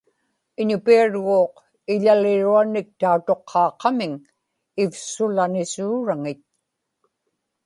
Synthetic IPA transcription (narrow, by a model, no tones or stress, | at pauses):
ɪɲʊpiaɻɣoːq | ɪʎalɪɻuanɪk̚t̪aut̪o̞qʰːɑːqːɑmɪŋ | ɪfsʊlanɪsuːɻaŋɪt̪̚